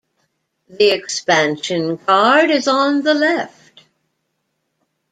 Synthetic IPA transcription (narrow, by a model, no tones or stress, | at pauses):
ðiɨkspæ̃nʃɨ̃nkʰɑɹɾɨzn̩ðəlɛft̚